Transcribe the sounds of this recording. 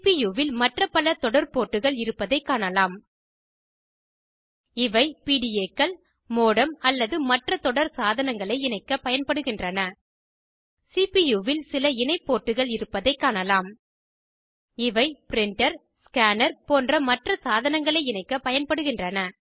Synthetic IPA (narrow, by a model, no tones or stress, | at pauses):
pijuːʋɪlmɐʈrɐpɐlɐt̪ɔɽɐɾpoːʈːɯɣɐɭɪɾɯpːɐðɐɪkːaːɳɐlaːm | ɪʋɐɪpiːɽijeːkːɐɭ | moːɽɐmɐlːɐðɯmɐʈrɐt̪ɔɽɐɾsaːðɐnɐŋɡɐɭɐɪɪnɐɪkːɐpɐjɐnpɐɽɯɣɪndrɐnɐ | sipijuːʋɪlsɪlɐɪnɐɪpːoːʈːɯɣɐɭɪɾɯpːɐðɐɪkːaːnɳɐlaːm | ɪʋɐɪpɪɾɪɳʈɐɾskaːnɐɾpoːndrɐmɐʈrɐsaːðɐnɐŋɡɐɭɐɪɪnɐɪkːɐpɐjɐnpɐɽɯɣɪndrɐnɐ